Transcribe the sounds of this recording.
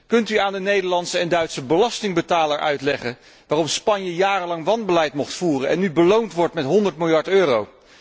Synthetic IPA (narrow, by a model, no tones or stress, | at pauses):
kɵntyaːndənejdəɹlɑntsəɛndœɥtsəbəlɑstɪŋbətaːləɹʔœ̰ɥtlɛχən | ʋaːrɔmspɑɲjəjaːrəlɑŋʋɑnbəlɛjtmɔχtfuːrənɛ̰nːybəlowntʋɔɹtmɛtɦɔndəɹtmɪlˠjɑɹtøːrow